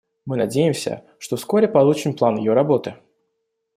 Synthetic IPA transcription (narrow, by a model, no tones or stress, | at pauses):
mɨnɐdʲejɪmsʲə̰ | ʂt̪ofskoɾʲɪpɐlˠut͡ɕɪmplˠanjɪjoɾɐbot̪ɨ